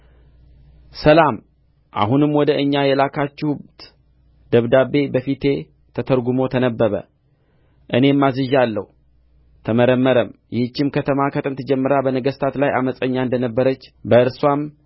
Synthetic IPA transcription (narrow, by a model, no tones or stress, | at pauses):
səlam | ʔa̰ɦunɨmwɔd̪əʔɨɲːajɛlakʰat͡ʃːɛht̪ | d̪̥əβd̪abe̞bəfit̪ʰe̞ | t̪ʰət̪ʰəɾɡumo̞t̪ʰənəbːəβə̰ | ʔɨne̞mːazɨʒalːəhu | t̪ʰəməɾəmːəɾəmjɪhɨt͡ʃːɪmkʰət̪ʰəmakʰət̪ʼɨnt̪ʰɨd͡ʒɛmːɨɾabənəɡəst̪ʰat̪lajaməsʼəɲːaɨnd̪ənəbːəɾət͡ʃːbəɨɾswam